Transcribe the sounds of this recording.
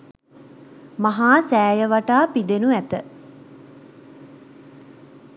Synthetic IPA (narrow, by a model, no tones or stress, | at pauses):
maɦaːsæːjəʋaʈaːpid̪enuæt̪ə